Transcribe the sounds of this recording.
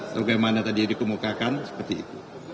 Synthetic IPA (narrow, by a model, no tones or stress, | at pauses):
baɡamanat̪adidikəmukakansə̥pərt̪ḭːt̪u